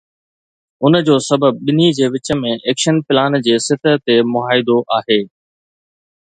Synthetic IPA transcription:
ʊnd͡ʑoːsɐbəb̚ɓɪnid͡ʑeːʋɪt͡ɕəmẽʔeːkʃənpɪlaːnd͡ʑeːsɪt̪ət̪emʊɦaːɪd̪oʔaːɦeː

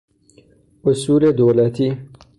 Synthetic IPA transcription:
ʊsuːled̪oːlat̪ʰi

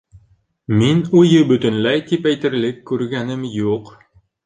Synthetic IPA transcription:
minujɤbɵ̆t̪ɵ̆nlæjt̪ipæjt̪ɘ̆ɾlɘkːʉɾɡænɘmjuq

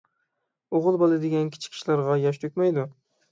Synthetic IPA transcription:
oʁɨlˠbɒlˠɪd̪eɡʲankʲʰɪ̥t͡ʃʰɪ̥kʲʰɪ̥ʃlaɾʁɑjɒʃ̬t̪ʰøkʲmajd̪ʊ

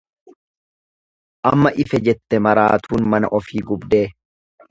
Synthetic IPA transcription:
ʔɐmːɐʔɪfɛd͡ʒɛt̪ːɛmɐɾaːt̪ʰuːnmɐnɐʔɔfiːɡʊbd̪e̞ː

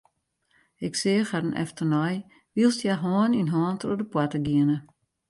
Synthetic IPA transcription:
ɪksɪːxadənʔɛ̰ftərnɔj | ʋilˠstjaɦɔːninɦɔːntrodəpwatəɡiənə

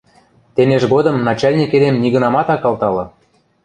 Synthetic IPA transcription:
t̪eneʒɣod̪ɤ̆mnɑt͡ɕɑlʲnʲiked̪emniɣə̆nɑmɑt̪ɑkɑlt̪ɑlɤ̆

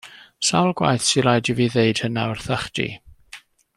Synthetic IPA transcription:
sawlˠɡwa̰jθsilajdiviðeɨd̥hənaərθaχd̥ḭ

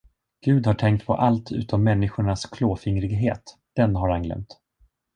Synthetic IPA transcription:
ɡ̥ʉ̟ːd̪haʈʰɛŋk̚t̪̚pʰɔ̰ʔalt̪ʰʉ̟̰ːt̪ɔmːɛnːɪɧʊɳaskʰloːfɪŋɾɪɡɦeːt̪ | d̪̥ɛnɦaɾhanɡlɛ̰mt̪

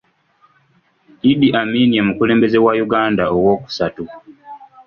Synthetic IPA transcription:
idiʔamiːniemukuleːmbe̞ze̞wajuɡaːndaowo̞ːku̥satu

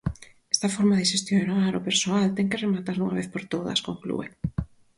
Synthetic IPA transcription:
ɛst̪afɔɾmaðɪʃest̪jonaɾopeɾsoalt̪ɛŋkeremat̪aɾnuŋaβeθpoɾt̪oðɐ̰skoŋklṵḛ

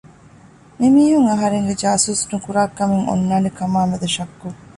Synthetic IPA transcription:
mimiːɦuŋɐɦɐɾeŋɡed͡ʒaːsuːsnukuɾaːkɐmeŋo̰nːaːnekɐmaːmɐd̪ɐʃɐkːu

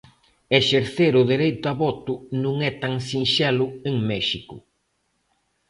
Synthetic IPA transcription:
eʃeɾθeɾʊðeɾejt̪ʊaβɔt̪ʊnũŋɛt̪aŋsinʃɛlʊeŋmɛʃikʊ

